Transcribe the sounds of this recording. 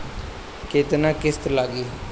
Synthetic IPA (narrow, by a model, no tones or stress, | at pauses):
kɪt̪nãːkɪst̪laːɡiː